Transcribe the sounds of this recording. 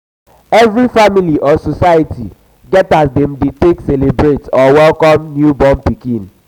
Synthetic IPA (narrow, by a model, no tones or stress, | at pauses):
ɛvɾifamiliʔɔsosajati | ɡɛtasdɛm̩ditekselebɾetɔwɛlkɔmnjubɔmpikĩn